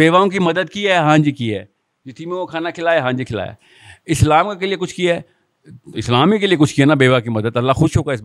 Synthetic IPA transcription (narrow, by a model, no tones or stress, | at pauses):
beːʋaõk̬imɐd̪əd̪kiɦɛɦãːɲd͡ʒikiɦɛː | d͡ʒɪt̪ʰimẽokʰaːnakʰɪlaːeɦãːd͡ʒikʰɪla̰ːjḛː | ɪslaːmkakeliekʊt͡ʃʰkiɛː | ɪslaːmikeliekʊt͡ʃʰkiɦɛnabeːʋakimɐd̪əd̪ɐlːaxʊʃɦoːɡaɪs